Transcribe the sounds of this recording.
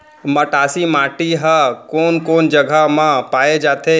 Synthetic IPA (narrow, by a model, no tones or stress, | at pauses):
məʈaːsimaːʈiɦəkoːnkoːnd͡ʒəɡʱamãpaːed͡ʒaːt̪ʰe